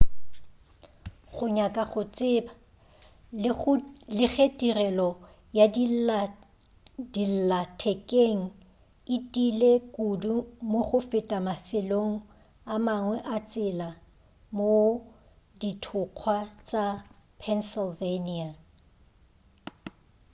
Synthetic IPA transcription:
χʊɲakʼaχʊt͡sʼɪba | lɪχetʼirɛlɔ | jad | dil̩latʰɛkʼeŋ̩ | ɪtʼilekʼudumoχʊfɪtʼamafɪloŋ̩ | amaŋwɛʔat͡sʼɪla | mo | ditʰʊq͡χʰwat͡sʼapʰɛnsɪlvenia

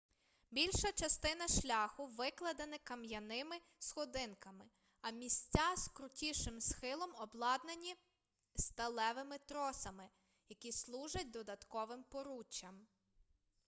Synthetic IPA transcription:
bʲilʲʃɐt͡ʃɐst̪ɪnɐʃlʲɑxʊʋɪklˠɐd̪enɪkɐmjɐnɪmɪ | sxɔd̪ɪnkɐmɪ | ɐmʲisʲt͡sʲazkɾʊtʲiʃɪmsxɪlˠɔmɔblˠɑd̪nɐnʲi | st̪ɐlˠɛʋɪmɪt̪ɾɔsɐmɪ | jɐkʲislˠuʒɐt̚ʲd̪ɔd̪ɐt̪kɔʋɪmpɔɾut͡ʃːɐm

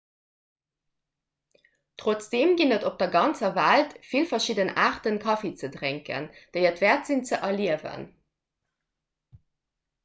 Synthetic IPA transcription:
tʁot͡sd̥eːmɡinətop̚d̥ɐɡɑnt͡sɐvæltfilfɐʃidənaːʁtənkʰɑfet͡sədʁeŋkə̰nd̥eɪətvæɐtz̥int͡səʔɐliəvə̰n

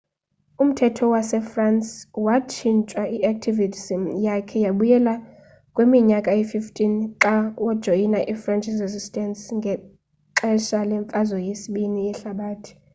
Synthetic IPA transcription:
um̩tʰɛtʰɔwasɛfranswat͡ʃʰint͡ʃʼwaiʔak̚tʰivisimjakʰɛjaɓujɛla | kʼwemiɲakʼaififtʰʼinǁawɔd̥ʒ̥ʱojinaʔifrant͡ʃʰʼizezistʼɛnsŋɡʱɛ | ǃɛʃalɛɱfʼazɔjesiɓiniɛɬaɓaːtʰi̥

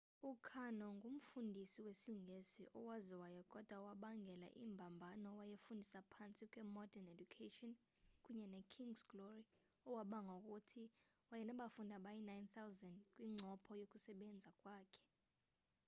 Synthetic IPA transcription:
ukʰanɔŋum̩fundʱisiwesiŋʱesiʔɔwaziwajɔkʼɔd̥ʱwawaɓaŋɡʱɛla̰ʔḭmbʱambʱanɔwajefundʱisapʰant͡sʼikʼwɛmɔdɛnedukʰetʼɔn | kʼuɲɛnɛkʰiŋɡsɡlɔri | ɔwaɓaŋʱokʼutʰi | wajɛnaɓafundʱaɓajinajnθʰawzandkʼwiŋ͡ǀʱɔpʰɔjokʼusɛɓɛnd͡zʱakʼwaːkʰɛ̥

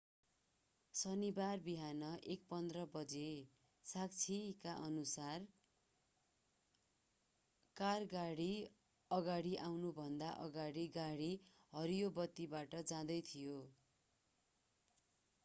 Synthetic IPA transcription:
sʌnibarbiɦanʌʔek̚pʌnd̪rʌbʌd͡ze | sak̚t͡sʰikaʔʌnusar | karɡaɽi | ʌɡaɽiʔawnubʱʌnd̪aʔʌ̰ɡaɽiɡaɽi | ɦʌɾijobʌt̪ːibaʈʌd͡zãd̪ʌjt̪ʰijo

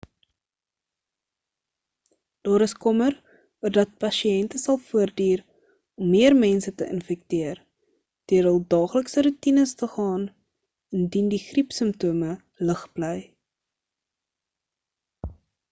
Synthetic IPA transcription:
d̥ɑːɾəskɔmər | uərdɐt̚pɐʃiɛntəsɐlˠfuərdiːr | ɔmːiərmɛnsətəʔə̰nfɛk̚tiər | d̥iəɾəlˠdɑːχləksəɾutinəstəχɑːn | əndindiχripsəmptuːmə | ləχbləj

